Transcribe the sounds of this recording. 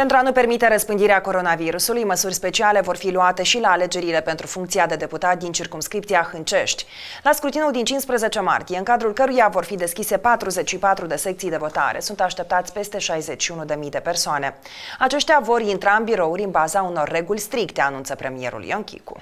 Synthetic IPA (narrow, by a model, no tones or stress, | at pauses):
pent̪ɾuanupe̞rmit̪e̞ɾəspɨnd̪iɾeako̞ɾo̞naviɾusulujməsurʲspe̞t͡ʃiale̞vo̞rfiluat̪e̞ʃilaːle̞d͡ʒe̞ɾile̞pe̞nt̪ɾufuŋkt̪siad̪e̞d̪e̞put̪at̪̚d̪int͡ʃirkumskɾip̚t̪sijaxɨnt͡ʃe̞ʃt̪ʲ | laskɾut̪inuld̪int͡ʃinspɾəze̞t͡ʃe̞ma̰rt̪ije̞ɨŋkad̪ɾulkəɾujavo̞rfid̪e̞skʲise̞pat̪ɾuze̞t͡ʃʲʃipat̪ɾud̪e̞se̞k̚t̪sijd̪e̞vo̞t̪a̰ɾe̞̰sunt̪aʃt̪e̞p̚t̪at̪sʲpe̞st̪e̞ʃajze̞t͡ʃʲʃiunud̪e̞mijd̪e̞pe̞rsoane̞ | at͡ʃeʃt̪ʲavo̞rint̪ɾaɨnbiɾo̞uɾʲɨnbazauno̞rːe̞ɡulʲst̪ɾikt̪e̞anunt̪səpɾe̞mie̞ɾṵljoŋkʲḭkṵ